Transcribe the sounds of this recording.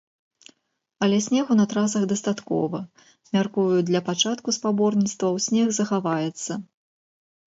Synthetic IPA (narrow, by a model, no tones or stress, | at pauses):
ɐlʲɛsʲnʲɛɣunɐt̪ɾas̬ɐɣd̪ɐst̪at̪kɔ̰vɐ | mʲarkuvjud̪lʲɐpat͡ʂat̪kuspabɔrnʲit̪st̪vɐwsʲnʲɛɣzɐxavajɛt̪sːɐ